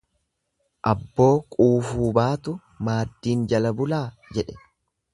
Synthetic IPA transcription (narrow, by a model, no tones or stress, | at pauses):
ʔɐbːo̞ːkʼuːfuːbaːt̪ʊ | maːd̪ːiːnd͡ʒɐlɐbʊlaː | d͡ʒɛᶑɛ̥